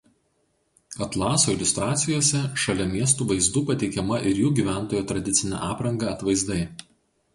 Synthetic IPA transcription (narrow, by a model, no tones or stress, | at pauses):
ɐt̪lˠɑːsoːɪlʲʊst̪ɾɑːt̪sʲɪjoːsʲɛʃɐlʲɛmʲiɛst̪uːʋɐɪzd̪uːpɐt̪ʲɛɪkʲɛmɐʔɪɾjuːɡʲiːʋʲæˑnˑt̪oːjouːt̪ɾɐd̪ʲɪt̪sʲɪnʲæ̰ːʔɑːpɾɐŋɡɑˑɐt̪ʋɐɪzd̪ɐɪ